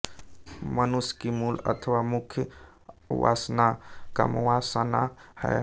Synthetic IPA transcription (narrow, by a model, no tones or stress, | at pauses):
mənuskimulə̰t̪ʰəwamʊkʰjə | wa̰snaka̰mwasənahɛ̰